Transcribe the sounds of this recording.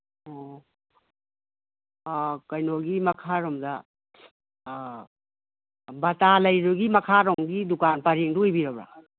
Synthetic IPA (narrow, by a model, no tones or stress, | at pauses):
o | kɐjnoɡimɐkʰaɾɔmdɐ | bɐtalɐjɾuɡimɐkʰaɾɔŋɡidukanpɐɾiŋdujbiɾɐbɾa̰